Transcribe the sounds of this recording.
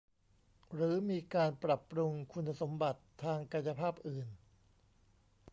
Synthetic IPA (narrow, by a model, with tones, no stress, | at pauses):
ɾɯː˩˦miː˧kaː˧npɾa˨˩pɾu˧ŋkʰu˧nːa˧so˩˦mba˨˩t̪ʰːaː˧ŋka˧nja˧pʰaː˥˩p̚ʔɯː˨˩n